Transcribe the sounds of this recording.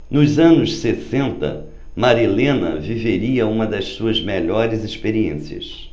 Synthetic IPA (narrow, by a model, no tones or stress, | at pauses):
nʊzɐ̃nʊʃsesẽnt̪ɐ̰ | maɾilẽnɐ̰viveɾiɐũmɐd̪ɐʃsuɐzmeʎɔɾɪzɪʃpeɾiḛ̃siɐ̰s